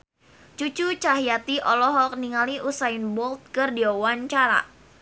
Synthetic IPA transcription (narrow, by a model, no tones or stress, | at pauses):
t͡ʃut͡ʃut͡ʃaɦjat̪iʔɔlɔɦɔk̚niŋaliʔusainbɔlt̪̚kɨrdiawaɲt͡ʃaɾa̰